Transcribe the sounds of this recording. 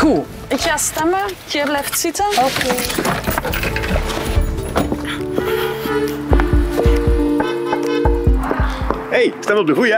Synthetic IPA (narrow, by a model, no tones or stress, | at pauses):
ɣu | ɪkxaːstɛmətəɛblɛftsitəlokeː | hejstɛməɔp̚dəɣujə